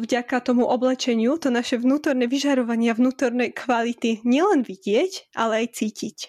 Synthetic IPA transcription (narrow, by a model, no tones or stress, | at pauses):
vɟakat̪ɔmuʔɔblɛt͡ʃɛɲɪut̪ɔnaʃɛʋnuːt̪ɔɾnɛʋiʒaɾɔʋaɲɪaʋnuːt̪ɔɾnɛjkʰʋalit̪iɲɪɛlɛnʋiɟɪɛcʔa̰lɛajt͡siːcic